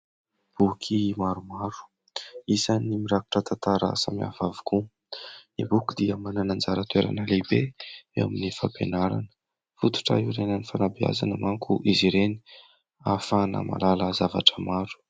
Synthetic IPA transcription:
b̥ukʰimaɾumaɾu̥ | izanimiɾaku̥ʈ͡ʂət̪ant̪aɾa̰samia̰vavu̥ku | ibukid̪iəmananand͡zaɾət̪weɾa̰nəlebeewa̰minifapenaɾa̰nə̥ | fut̪u̥ʈ͡ʂa̰iuɾenənifanabia̰zanəmaŋkʰuʔiziɾeni | afanə̰ma̰laləzava̰ʈ͡ʂəmaɾu̥

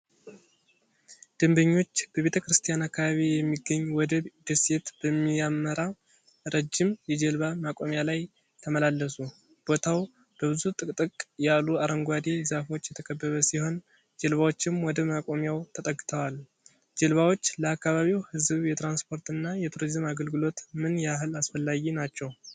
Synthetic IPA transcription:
d̪̥ɨmbəɲːo̞t͡ʃːb̥əβe̞t̪ʰəkɨɾɨst̪ʰijanakːaβaβijɛmːiɡːəɲːwɔd̪əd̪ɨset̪b̥əmːijamːəɾa | ɾəd͡ʒːɪmjɛd͡ʒɛlβamakʼo̞mjalaj | t̪ʰəməlalːəsu | b̥o̞t̪ʰaw | b̥əβɨzut̪ʼɨkʼt̪ʼɨkʼjalːuaɾəŋɡʷad̪izafo̞t͡ʃːjɛt̪ʰəkʼʰəbːəβəsiho̞n | d͡ʒɛlβawo̞t͡ʃːɪmwɔd̪əmakʼo̞mjawt̪ʰət̪ʼəɡːɨt̪ʰəwal | d͡ʒɛlβawo̞t͡ʃːləakːaβaβiwhɨzɨβjɛt̪ɾanspʰo̞ɾt̪ɨnːajɛt̪ʰuɾizɨmaɡəlɡɨlo̞t̪mɨnjɛaɦɨlasfəlːaɡinat͡ʃːɛw

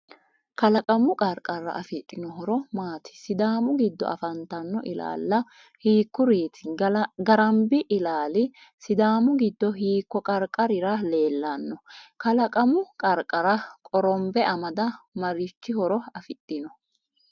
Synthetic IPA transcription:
kɐlɐkʼɐmʊkʼɐɾkʼɐɾːɐ̰ʔɐfɪt̪ʼːɪnɔɦɔɾɔmaːt̪ʰɪ̥sɪd̪aːmʊɡɪd̪ːɔ̰ʔɐ̰fɐnt̪ɐnːɔ̰ʔɪla̰ːlːɐ | hiːkːʊɾeːt̪ɪ̥ɡɐɾɐmbɪʔɪlaːlɪ | sɪd̪aːmʊɡɪd̪ːɔɦiːkːɔkʼɐɾkʼɐɾɪɾɐle̞ːlːɐnːɔkɐlɐkʼɐmʊkʼɐɾkʼɐɾɐkʼɔɾɔmbɛʔɐmɐd̪ɐmɐɾɪt͡ʃːɪhɔɾɔɐfɪt̪ʼːɪnɔ

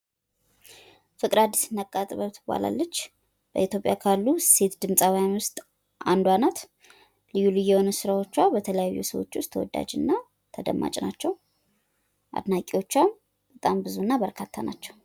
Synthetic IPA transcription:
fɨkʼɨdad̪ːisɨnakʼːat̪ʼβət̪ʰɨba̰la̰lːət͡ʃː | b̥ə̰it̪ʰjo̞pʼjakʰalːuse̞t̪d̪ɨmsʼawjanwʊst̪ʼ | ʔand̪wanat̪ | lɨjːulɨjːɛwonəsɨɾawo̞t͡ʃːwabət̪ʰələjajːṵsə̰wo̰t͡ʃːwʊst̪ʰəwɔ̰d̪ːa̰d͡ʒɨnːa | t̪ʰəd̪əmːa̰t͡ʃʼnat͡ʃːɛw | ʔa̰d̪nakʼiwo̞t͡ʃːwam | b̥ət̪ʼambɨzunːabəɾkʰat̪ʰːanat͡ʃːɛw

